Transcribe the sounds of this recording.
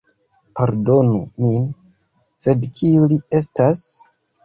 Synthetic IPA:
paɾdo̞nṵmin | se̞dkʰiulie̞s̬tas

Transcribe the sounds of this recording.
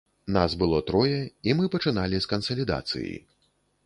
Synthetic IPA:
nazbɨlˠɔt̪ɾɔjɛimɨpɐt͡ʂɨnalʲiskɐnsɐlʲid̪a̰t̪sɨ̰jḭ

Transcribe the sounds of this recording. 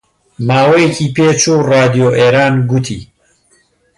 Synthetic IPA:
maːwejecʰipʰeːt͡ʃʰuːraːd̪ijoʔeːɾaːnɡut̪ʰḭː

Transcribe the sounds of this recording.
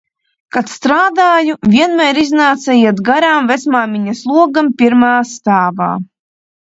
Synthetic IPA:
kat̪st̪ɾaːd̪aːjuvʲiɛnmʲɛːɾiznaːt̪sɛjiɛt̪ɡaɾaːmvet̪smaːmʲiɲaslˠuɔɡampʲiɾmaːst̪aːba̰ː

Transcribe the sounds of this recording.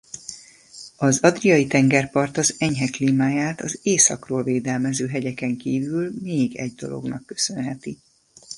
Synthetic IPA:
ɒzɒd̪rijɒjit̪ɛŋɡɛrpɒrt̪ɒzɛɲɦɛkliːmaːjaːt̪ɒzeːsɒkroːlveːd̪ɛlmɛzøːɦɛɟɛkɛŋkiːvylmeːɡɛɟd̪o̞̰lo̞̰ɡnɒkːø̞sø̞nɦɛt̪i

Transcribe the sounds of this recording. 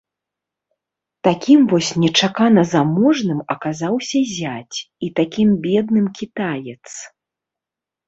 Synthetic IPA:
t̪akʲimvɔsʲnʲɛt͡ʂakanɐzamɔʐnɨmɐkazawsʲɐzʲat͡sʲit̪akʲimbʲɛd̪nɨmkʲit̪ajɛt̪s

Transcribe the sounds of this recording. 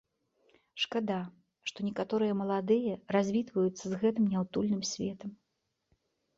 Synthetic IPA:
ʂkad̪a | ʂt̪ɔnʲɛkat̪ɔɾɨjɐmɐlˠad̪ɨjɐrazʲvʲit̪vɐjut̪sːɐzɣɛt̪ɨmnʲawt̪ulʲnɨmsʲvʲɛt̪ɐm

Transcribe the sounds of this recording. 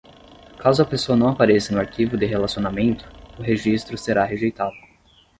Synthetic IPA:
kazʊɐpesoɐnɐ̃w̃apaɾesɪnʊaɾkivʊd̪ɪɦelasionamẽnt̪ʊ̥ʊɦeʒist̪ɾʊseɾaɦeʒejt̪ad̪ʊ

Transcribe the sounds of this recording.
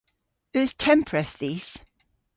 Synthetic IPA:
ʉz̥tʰɛ̃mpʰɹəθðiːs

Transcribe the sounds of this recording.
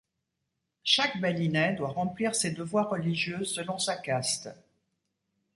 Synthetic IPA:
ʃakbalinɛd̪waʁɑ̃pliʁsed̪əvwaʁːəliʒjøsəlɔ̃sakast̪

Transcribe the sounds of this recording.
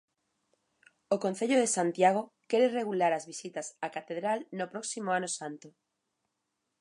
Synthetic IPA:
okonθeʎoðesant̪jaɣ̞o | keɾereɣulaɾazβisit̪asakat̪eðɾalnopɾoksimoanosãnt̪o

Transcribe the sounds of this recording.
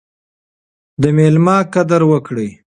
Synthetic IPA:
d̪əmelmɑkad̪aɾwəkɽəj

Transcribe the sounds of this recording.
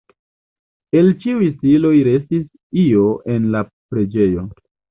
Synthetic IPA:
e̞lt͡ʃiujsilo̞jɾe̞stis | io̞ʔe̞nlapɾe̞d͡ʒe̞jo̞

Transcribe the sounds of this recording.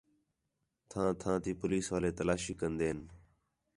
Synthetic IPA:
t̪ʰãːt̪ʰãːt̪iːpʊliːsʋaːleːt̪əlaːʃiːkənd̪eːən

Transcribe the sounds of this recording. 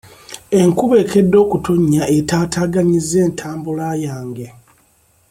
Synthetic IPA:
e̞ŋkuβe̞ːke̞dːo̞ːkutoɲːaʔetaːtaːɡaɲize̞ːntʰaːmbulaːjaːŋɡe̞

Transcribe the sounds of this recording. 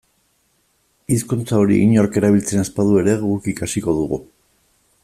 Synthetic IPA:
iskunt͡saoɾḭʔiɲo̞ɾke̞ɾaβ̞ilt͡se̞naspað̞ue̞ɾe̞ɣukikasiko̞ðuɣu

